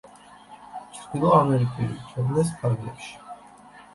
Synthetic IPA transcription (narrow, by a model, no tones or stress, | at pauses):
t͡ʃʰɾd̪ilˠɔamɛɾikʼilḭt͡ʃʰɛd̪nɛs̬pʰaɾɡlɛ̰pʃi̥